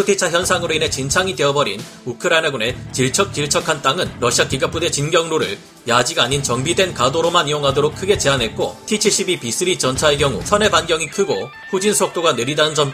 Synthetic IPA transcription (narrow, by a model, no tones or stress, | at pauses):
pʰutʰit͡ɕʰaçjʌnsʰaŋɯɾoinɦe̞t͡ɕint͡ɕʰaŋide̞ʌbʌɾin | ukʰɯɾainaɡune̞t͡ɕiɭt͡ɕʰʌk̚t͡ɕ͈iɭt͡ɕʰʌkʰant͈aŋɯnɾʌɕʰiakiɡap͈ʰude̞t͡ɕinɡjʌŋɾoɾɯɭ | jad͡ʑiɡaɲint͡ɕʌŋbidwe̞nkadoɾomanijoŋɦadoɾok̚ʰɯɡe̞t͡ɕe̞anɦe̞t̚k͈otʰit͡ɕʰiɕʰibipis͈ʰɯɾit͡ɕʌnt͡ɕʰaeɡjʌŋṵt͡ɕʰʌne̞banɡjʌŋikʰɯɡo | ɸud͡ʑinsʰʌk̚t͈oɡane̞ɾidanɯnd͡ʑʌm